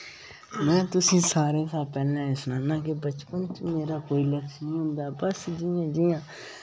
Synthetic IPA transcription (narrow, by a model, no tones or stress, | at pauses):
mɛ̃ːt̪ʊsĩːsaːɾẽːsaːpɛːlãːɪsnãːnãːk̬ebət͡ʃpənt͡ʃmeːɾaːkoːiːləkʃnĩːɦʊ̃nd̪aːɛbəsd͡ʒɪjãːd͡ʒɪjãː